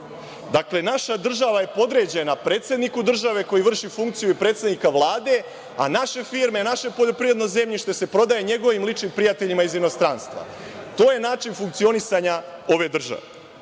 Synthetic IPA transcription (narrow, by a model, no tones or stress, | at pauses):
d̪akle̞naʃad̪r̩ʒaʋaje̞po̞d̪ɾe̞d͡ʑe̞napɾeːt̪se̞d̪nikud̪r̩ʒaʋe̞ko̞jiʋr̩ʃifuŋk̚t̪sijuipɾe̞ːt̪sed̪nikaʋlˠaːd̪e̞ | a̰naʃe̞fiːɾme̞naʃe̞po̞ʎo̞pɾiʋɾe̞d̪no̞jze̞mʎiʃt̪oese̞pɾo̞d̪ajeɲe̞ɡo̞ʋimlit͡ʃnimpɾijat̪e̞ʎimaizino̞st̪ɾaːnst̪ʋa̰ | t̪o̞ːje̞naːt͡ʃinfuŋk̚t̪io̞nisaɲao̞ʋe̞d̪r̩ʒa̰ʋe